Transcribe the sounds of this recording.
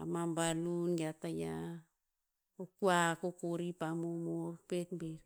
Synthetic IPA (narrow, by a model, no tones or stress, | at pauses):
a̰mambalunɡeataja | okuakokoɾipamomoopetbeɾ